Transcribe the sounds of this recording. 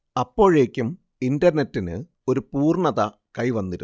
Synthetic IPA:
ɐpːo̞ːɻe̞ːkʲːum | indɐrnetːinɨ | o̞ɾupuːrɳɐðɐ | kɐjʋɐnːiɾu

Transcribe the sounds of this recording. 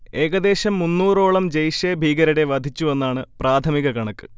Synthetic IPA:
e̞ːɡɐd̪e̞ːɕɐmːunːuːro̞ːɭɐmd͡ʑɐjɕeːbʱiːɡɐɾɐɽe̞ʋɐd̪ʱit͡ɕːue̞nːaːɳɨpraːt̪ʰɐmiɣɐkɐɳɐkːɨ̥

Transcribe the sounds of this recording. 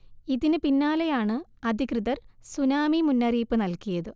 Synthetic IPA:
iðinɨpinːaːlɐjaːɳɨɐd̪ʱikrɨðɐrsunaːmimunːɐriːpːɨnɐlkijɐðɨ

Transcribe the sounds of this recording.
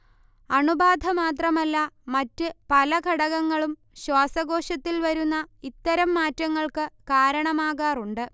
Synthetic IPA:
ɐɳubaːd̪ʱɐmaːt̪̬rɐmɐlːɐmɐtːɨpɐlɐɡʱɐɽɐɣɐŋːɐɭum | ɕwaːsɐɡo̞ːʂɐt̪ːilʋɐɾunːɐit̪ːɐɾɐmːaːtːɐŋːɐɭkɨkaːɾɐɳɐmaːɣaːruɳɖɨ

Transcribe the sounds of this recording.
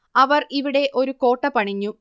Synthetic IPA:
ɐʋɐriʋiɽe̞ʔo̞ɾuko̞ːʈːɐpɐɳiɲːu

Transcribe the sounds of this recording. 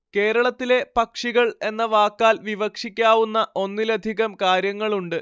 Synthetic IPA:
ke̞ːɾɐɭɐt̪ːile̞pɐkʂiɣɐɭe̞nːɐʋaːkːaːlʋiʋɐkʂikʲːaːʋunːɐʔo̞nːilɐd̪ʱiɣɐmkaːɾjɐŋːɐɭuɳɖɨ

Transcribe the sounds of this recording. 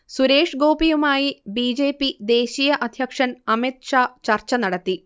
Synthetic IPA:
suɾe̞ːʂɡo̞ːpijumaːjibiːd͡ʑe̞ːpːid̪e̞ːɕijɐʔɐd̪ʱjɐkʂɐnɐmit̪̚ʂaːt͡ɕɐrt͡ɕːɐnɐɽɐt̪ːi

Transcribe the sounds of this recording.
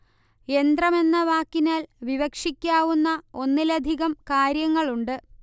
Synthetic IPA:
e̞nd̪rɐme̞nːɐʋaːkːinaːlʋiʋɐkʂikʲːaːʋunːɐo̞nːilɐd̪ʱiɣɐmkaːɾjɐŋːɐɭuɳɖɨ

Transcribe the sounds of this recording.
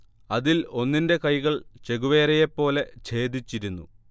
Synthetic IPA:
ɐðilo̞nːinde̞kɐjɣɐɭt͡ɕe̞ɣuʋe̞ːɾejepːo̞ːle̞t͡ɕe̞ːd̪it͡ɕːiɾunːu

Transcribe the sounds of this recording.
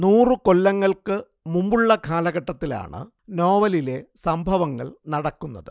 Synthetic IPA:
nuːrɨko̞lːɐŋːɐɭkɨ | mumbuɭːɐkʰaːlɐɣɐʈːɐt̪ːila̰ːɳɨ̰ | no̞ːʋɐlile̞sɐmbʱɐʋɐŋːɐ̰ɭnɐɽɐkːunːɐ̰ðɨ̰

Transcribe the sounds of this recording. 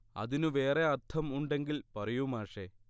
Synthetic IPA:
ɐ̰ðinuʋe̞ːre̞ɐrt̪ʰːɐmuɳɖe̞ŋɡilpɐrɐjumaːʂe

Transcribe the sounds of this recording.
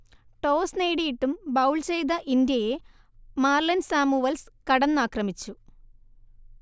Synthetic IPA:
ʈo̞ːsneːɽijiʈːumbɐwɭt͡ɕe̞jd̪ɐʔind̪jɐje | maːrlɐnsaːmuʋɐlskɐɽɐnːaːkrɐmit͡ɕːu

